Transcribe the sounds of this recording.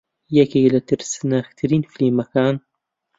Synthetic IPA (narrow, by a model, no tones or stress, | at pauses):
jakelat̪ɪɾsnaxt̪ɾiːnfimakaːn